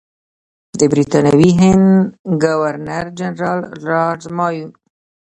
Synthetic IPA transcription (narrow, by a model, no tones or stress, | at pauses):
d̪əbɾit̪ɑnawiɦɪnd̪ɡawaɾnaɾd͡ʒanɾɑlɾɑɖzmɑju